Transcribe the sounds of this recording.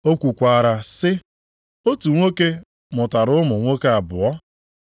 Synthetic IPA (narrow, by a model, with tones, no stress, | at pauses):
o˦kʷu˨kʷa˨a˨ɾa˨sɪ˦ | o˦tu˨ŋʷo˦ke˦ | mʊ˨ta˨ɾʊ˦mʊ˨ŋʷo˦ke˦a˨bʊ˨ɔ˦